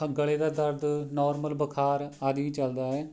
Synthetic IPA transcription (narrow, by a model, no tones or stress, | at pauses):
əɡəɭeːd̪aːd̪əɾd̪nɔːɾməlbəkʰaːɾaːd̪ʋĩːt͡ʃəld̪aːɛː